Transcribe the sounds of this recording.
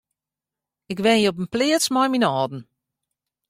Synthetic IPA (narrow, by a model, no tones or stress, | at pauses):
ɪkʋɛnjəɔp̬ənplɪətsmɔjminɔːdn̩